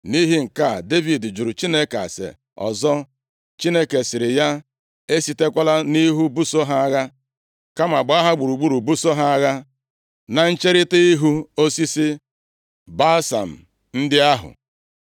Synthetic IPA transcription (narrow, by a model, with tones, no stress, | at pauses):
ni˦ɦi˦ŋ̩˨ka˦˨de˦vi˨dd͡ʒu˨ɾu˨t͡ʃi˦ne˦ka̰˨sḛ˨ | ɔ̰˨zɔ˦ | t͡ʃi˦ne˦ke˨sɪ˨ɾɪ˨ja˦ | e˦si˦te˦kʷa˦la˦ni˦ɦu˦bu˦so˦ɦa˦a˦ɣa˦ | ka˦ma˨ɡ͡ba˨˦a˦ɦa˦ɡ͡bu˨ɾu˨ɡ͡bu˦ɾu˨bu˦so˦ɦa˦a˦ɣa˦ | na˨n̩˦t͡ʃe˦ɾɪ˦ti˦i˦ɦu˦o˦si˦si˦ | ba˦sa̰˨m̩˨ | n̩˦dɪ˦a˦ɦʊ̰˨